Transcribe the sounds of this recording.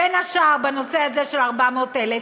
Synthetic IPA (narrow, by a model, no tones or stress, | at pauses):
enaʃaʁbeno̞seazeʃelaʁbamot̪ele